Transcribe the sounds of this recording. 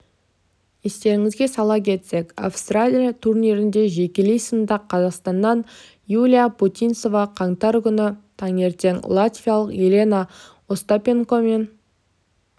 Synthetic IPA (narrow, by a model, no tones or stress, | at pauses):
est̪e̞ɾɪŋɪzɡʲe̞sɑlˠɑpkʲʰe̞t̪se̞ka̰fst̪ralʲijat̪ʰuɾniɾɪnd̪e̞ʒe̞kʲlejsənd̪ɑqʰːɑzɑqst̪ɑnːɑn | julʲijaput̪ʲinso̞vɑqʰɑɴt̪ɑɾkʲʏnɪt̪ʰɑŋe̞ɾt̪e̞ŋlˠat̪vʲijalˠəqelʲena | ost̪apʲe̞ŋkome̞n